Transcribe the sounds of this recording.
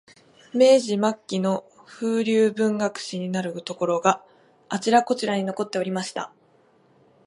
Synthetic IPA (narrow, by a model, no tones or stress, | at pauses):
me̞ːʑimakʲːino̞ | ɸɯːɾʲɨːbɯ̟̃ŋɡakɯ̟̥ɕiɲ̟inaɾɯ̟t̪o̞ko̞ɾo̞ɡa | at͡ɕiɾako̞t͡ɕiɾaɲ̟ino̞ko̞t̪ːe̞o̞ɾʲimaɕi̥t̪a̰